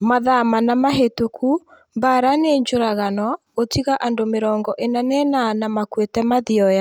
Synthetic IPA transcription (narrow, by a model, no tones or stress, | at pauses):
maðamanamaɦetokʰu | mbaɾaneɲd͡ʒoɾaɣanɔ | otiɣaʔandomeɾɔːŋɡɔʔenanɛnanamakwetɛmaðiɔja